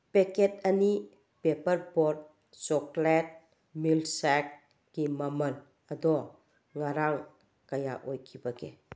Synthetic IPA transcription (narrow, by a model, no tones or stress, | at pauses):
peket̚ɐni | pepəɾbɔɾd̚ | t͡ʃɔklɛt̚ | milsak̚ | kimɐməl | ɐdɔ | ŋaɾaŋ | kɐjaʔojkʰibaɡḛ